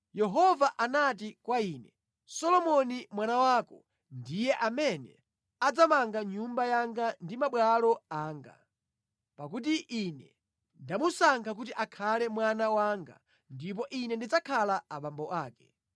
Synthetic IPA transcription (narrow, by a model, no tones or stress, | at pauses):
jɛɦɔvaʔanat̬ikwaiːnɛ | sɔlɔmɔnimwanawaːkɔ̰ | ndijɛʔamɛnɛ̰ | ad͡zamaŋɡaɲumbajaŋɡandimaɓwalɔaːŋɡa̰ | pak̬ut̬iʔinɛ | ndamusaŋkʰak̬ut̬iʔakʰalɛmwanawaːŋɡa̰ | ndip̬ɔʔinɛndid͡zakʰalaaɓambɔʔaːkɛ̥